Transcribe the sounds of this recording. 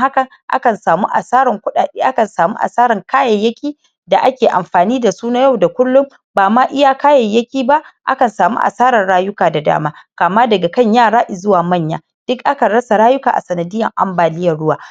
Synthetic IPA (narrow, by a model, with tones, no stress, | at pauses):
ha˦kɐ˨ŋʔa̰˦kɐ˨nsaː˨mu˦ʔa˨saː˦ɾɪ˨ŋkʷʊ˦aː˨e˦ʔa˦kɐ˨nsaː˨mṵ˦ʔa̰˨saː˦ɾɪ˨ŋkaː˦jɐ˨jːɐ˦kʲiː˦ | da˨ʔa˦kʲeː˨ʔa˨mɸaː˨niː˦da˨suː˦na˦ja˦˨wda˨kʷʊ˦lːʊ˦m | baː˨maː˦ʔɪ˦jaː˦kaː˦jɐ˨jːɐ˦kʲiː˦ba˦ʔʔa̰˦kɐ˨nsaː˨mṵ˦ʔa̰˨saː˦ɾɐ˨nɽaː˦jʊ˦kaː˨da˨da̰ː˦maː˦kaː˨maː˦dɐ˨ɡa˨kɐ˦˨ɲjaː˦˨ɽaː˦ʔɪ˨zʊ˦waː˨mɐ˦˨ɲja̰ː˦ | d̥ʊ˦kʔa˦ka˨ɽɐ˦sa˨ɽaː˦jʊ˦ka̰ː˨ʔa̰˨sɐ˨nɐ˨dɪ˦jːɐ˨ŋʔa̰˦mbaː˨lɪ˦jːɐ˨rɽʊ˦waː˨